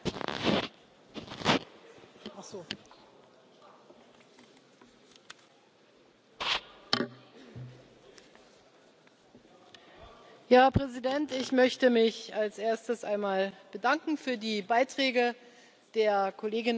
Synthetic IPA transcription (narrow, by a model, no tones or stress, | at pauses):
ʔaχz̥oː | jaːpʁ̥ɛzidɛntɪçmœçtəmɪçalsʔeːɐstəsʔaɪnmaːlb̥ədaŋkŋ̩fyːɐdiːbaɪtʁ̥ɛːɡə | d̥eːɐkʰoleːɡɪn